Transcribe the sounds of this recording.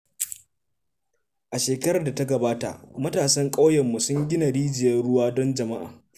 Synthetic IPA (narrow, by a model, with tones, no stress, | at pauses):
ʔa˨ʃeː˨kɐ˦ɾɐ˨da˨ta˦ɡɐ˨baː˦ta̰˨ʔmɐ˦taː˨sɐ˦ŋkʼa˦wjɛ˨mːu˨sʊ˦ŋɡʲɪ˦na˨ɽiː˦d͡ʒɪ˨jɐ˦nɽʊ˦waː˦dɔ˦nd͡ʒɐ˨ma˦ʔa̰ː˨